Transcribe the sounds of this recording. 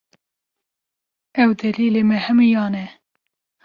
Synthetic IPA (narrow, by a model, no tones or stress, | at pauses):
ɛwd̪ɛliːleːmɛhɛmujɑːnɛ